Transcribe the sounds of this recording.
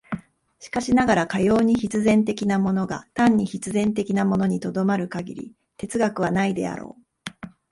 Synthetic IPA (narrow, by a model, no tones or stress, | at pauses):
ɕi̥kaɕinaɡaɾakajo̞ːɲ̟içit͡sɨzẽ̞nt̪e̞kʲinamo̞no̞ɡa̰t̪ãɲ̟ːiçit͡sɨzẽnt̪̬e̞kʲinamo̞no̞ɲ̟it̪o̞d̪o̞maɾɯ̟kaɡʲḭɾʲḭ | t̪e̞t͡sɨɡakɯ̟β̞anaid̪e̞̰a̰ɾo̞̰ː